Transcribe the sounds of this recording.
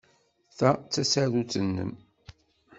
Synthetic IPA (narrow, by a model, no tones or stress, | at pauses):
θæt͡sːæsaðut͡sənːə̰m